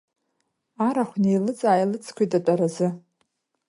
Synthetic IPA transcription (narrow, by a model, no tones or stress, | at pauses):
aɾaχʷnejlɨt͡sʼaːjlɨt͡sʼʰkʷʰijtʼat͡pʷʼaɾazɨ